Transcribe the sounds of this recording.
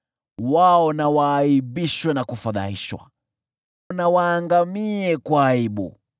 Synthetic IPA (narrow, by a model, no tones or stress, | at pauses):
waɔnawaːiɓiʃwɛnakufaða̰iʃwa̰ | nawaːŋɡamiɛkwaːiɓṵ